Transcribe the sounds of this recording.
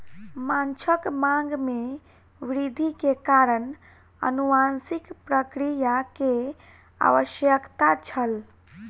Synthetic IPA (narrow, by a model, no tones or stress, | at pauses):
mant͡ʃʰəkmãŋɡme | ʋɾid̪ʱikekaɾən | ə̰nuʋansikpɾəkɾijake | a̰ʋəʃjəkt̪at͡ʃʰəl